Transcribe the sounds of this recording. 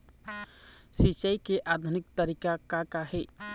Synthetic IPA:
sit͡ʃəjkeʔad̪ʱunik̚t̪əɾikakakaɦe

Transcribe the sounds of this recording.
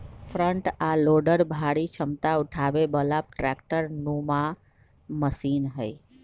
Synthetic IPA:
pʰɾəɳʈaloɖəɾbʱaɽit͡ʃʰəmt̪auʈʰabebəlap̚ʈɾɛk̚ʈəɾnuma | məsinɦəj

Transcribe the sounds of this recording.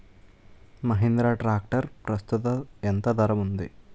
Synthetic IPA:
mɐɦind̪ɾaːʈɾaːk̚ʈɐɾpɾɐst̪ut̪ɐent̪ɐd̪ɐɾɐmund̪i

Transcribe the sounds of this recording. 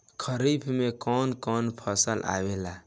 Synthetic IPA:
kʰəɾibʰʱmekɔnkɔnpʰəsəlʔa̰wela

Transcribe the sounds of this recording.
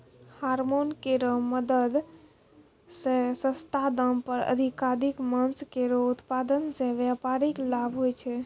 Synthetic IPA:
haɾmonkeɾɔməd̪əd̪ | sẽsə̃st̪ʰad̪əmpəɾə̰d̪ʱikad̪ikmənskeɾout̪pad̪ənsẽʋjapaɾiklabʱɦojt͡ʃʰɛ

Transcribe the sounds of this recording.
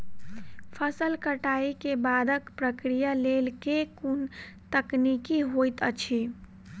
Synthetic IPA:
pʰəsəlkəʈaːikebaːd̪əkpɾəkɾijalelkekun | t̪əknikiɦojt̪ət͡ʃʰi

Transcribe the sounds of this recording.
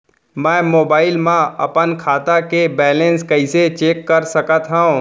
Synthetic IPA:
mɛ̃ːmoːbaːɪlmãɐpənkʰaːt̪akebɛːlẽnskɐɪset͡ʃeːkːəɾsɐkət̪ɦaõ

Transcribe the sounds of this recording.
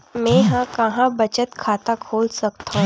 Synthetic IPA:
mɛ̃ɦãkɐɦãbɐt͡ʃət̪kʰaːt̪akʰoːlsɐk̚t̪aɦũ

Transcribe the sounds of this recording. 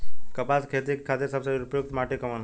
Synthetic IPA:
kɐpaskʰet̪ikʰːat̪iɾsəbseɾupəjuk̚t̪maːʈikəman

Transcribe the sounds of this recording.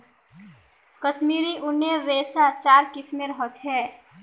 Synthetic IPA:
kəʃmiːɾiʔʊnjəɾeːsat͡ʃaːɾkɪsmẽɾəɦət͡ʃɦɛː

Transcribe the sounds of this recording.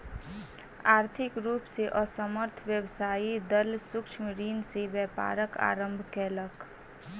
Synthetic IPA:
aɾt̪ʰikɾupseʔʌsəməɾt̪ʰbjəbsaid̪ʌlsukt͡ʃʰmiɾinsebjəpa̰ɾəka̰ɾəmbʱkelək

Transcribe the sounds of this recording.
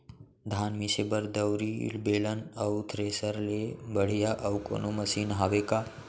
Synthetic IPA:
d̪ʱaːnmisebəɾd̪əwɾḭlbeːlənɐwt̪ʰɾeːsəɾlebəɽ̤ijaʔɐwko̰ːnomɐsiːnɦaːʋeka

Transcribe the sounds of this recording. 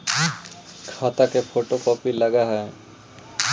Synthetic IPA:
kʰat̪akepʰoʈokɔpilaɡaɦɔe

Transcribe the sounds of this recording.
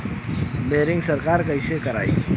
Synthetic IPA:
beɾɪ̃ŋɡsəɾkaɾkəɪsekəɾa̰ːḭ

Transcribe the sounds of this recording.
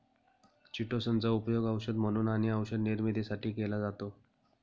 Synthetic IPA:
t͡ɕiʈosənt͡saupjoɡəwɕəd̪m̤əɽ̃uːnaɽ̃iəwɕəd̪niɾmid̪ʱesaʈʰiːkelad͡zat̪o

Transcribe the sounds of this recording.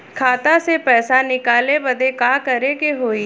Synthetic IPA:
kʰaːt̪asepɛːsanɪkaːlebɐd̪ʱekaːkɐɾekeɦoːi

